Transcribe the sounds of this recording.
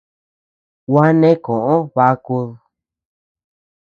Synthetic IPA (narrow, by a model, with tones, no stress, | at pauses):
wa˦nẽ˦kõ˨ʔõ˦βa˧ku˧ð